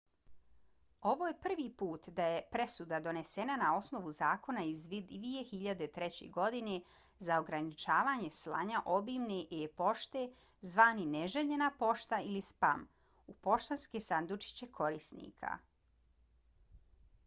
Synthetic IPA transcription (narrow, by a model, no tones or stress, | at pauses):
o̞ʋoːje̞pr̩ʋipuːt̪d̪aje̞pɾe̞sud̪ad̪o̞ne̞senanao̞sno̞ʋuzaːko̞naizd̪ʋie̞xiʎad̪e̞t̪ɾe̞t͡ɕe̞̰ɡo̞d̪ine̞ | zao̞ɡɾanit͡ʃaːʋaːɲe̞slˠa̰ɲaʔo̞bimneʔepo̞ʃt̪e̞ | zʋaːnineʒeʎe̞napo̞ʃt̪ailispa̰m | upo̞ʃt̪anskesand̪ut͡ʃi̥t͡ɕe̞kʰo̞ɾisnḭːkʰa̰